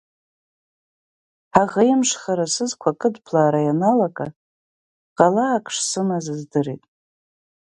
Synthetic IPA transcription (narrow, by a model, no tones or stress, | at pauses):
ħaʁejmʂχaɾasɨzkʷʰakʼɨdpʰlaːɾajanalakʼa̰ | qʼalaːkʼʂsɨmazɨzdɨrḭtʼ